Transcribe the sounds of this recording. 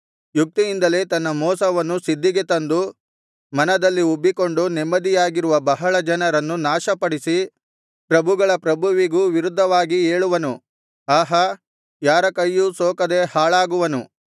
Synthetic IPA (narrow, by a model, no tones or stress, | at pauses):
juk̚t̪ijind̪ɐle̞ːt̪ɐnːɐmɔːsɐʋɐnːusid̪ːiɡe̞t̪ɐnd̪u | mɐnɐd̪ɐlːiobːiko̞ɳɖunɛmːɐd̪ijaːɡiɾuʋɐbɐɦɐɭɐd͡ʒɐnɐɾɐnːunaːʃɐpɐɽisi | pɾɐbʱuɡɐɭɐpɾɐbʱuʋiɡuːʋiɾud̪ʱːɐʋaːɡieːɭuʋɐnu | aːɦɐ | jaːɾɐkɐjːusoːkɐd̪e̞haːɭaːɡuʋɐnu